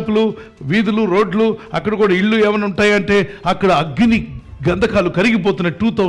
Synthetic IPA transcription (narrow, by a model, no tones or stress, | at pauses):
pulu | ʋiːd̪uluɾo̞ːɖluɐkːɐɽɐkuːɽɐiɭːuɛːʋɐnuɳʈaːjɐɳʈe̞ːɐkːɐɽɐːɡːini | ɡɐnd̪ʱɐkaːlukɐɾiɡipoːt̪̬unːɐʈːuːt̪oː